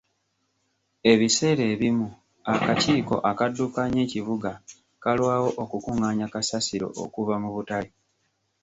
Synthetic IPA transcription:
e̞βise̞ːɾe̞ːβimu | akaciːko̞̰ʔakadːukaɲe̞ːciβuɡa | kalwaːwo̞ʔokukuŋaːɲakasasiɾo̞̰ʔo̰kuvamuβutali

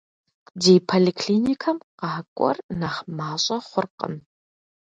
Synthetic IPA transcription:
deːpʰolikʰɬiːnikʰɐmqɑːkʷʼɔ̰rnaχmaːɕʼɐχʷʊrqə̰m

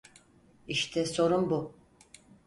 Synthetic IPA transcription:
iʃt̪ʰɛso̞ɾumbu

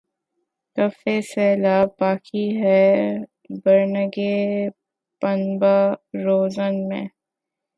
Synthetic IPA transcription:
kɐfesɛːlaːbaːkiɦɛ | bəɾnəɡe | pənbaɾoːzənmḛ̃

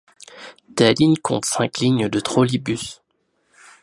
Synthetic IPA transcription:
t̪alinkʰɔ̰̃t̪sɛ̃kliɲd̪ət̪χolibys

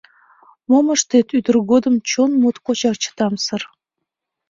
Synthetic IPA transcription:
moməʃt̪et̪yd̪ərɣod̪ə̆mt͡ɕonmut̪kot͡ɕɑk̚t͡ɕə̥t̪ɑmsər

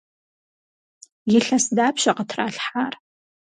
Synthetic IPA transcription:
jɪɬɐsdaːpʃɐqətʰraːɬħaːr

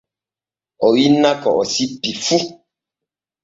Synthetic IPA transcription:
ɔwinakɔʔɔsipifu

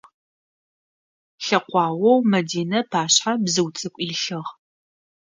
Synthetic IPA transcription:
ɬɐqʷɑːwɔwmɐdiːnɐpʰaːɕħabzɨwt͡sʼɨkʷʼiːɬɨʁ

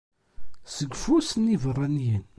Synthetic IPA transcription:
səɡfusnivərˤːɑnjən

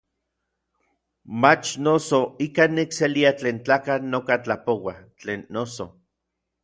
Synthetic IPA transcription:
mat͡ʃnosoikanikseliat͡ɬeːnt͡ɬaːkanokat͡ɬapowat͡ɬeːnːoso

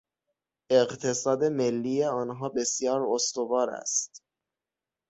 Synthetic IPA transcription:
eqt̪ʰe̞sɒːd̪e̞me̞lːiːjeɒːnɦɒːbe̞sjɒːɾost̪ovɒːɾæ̰st̪

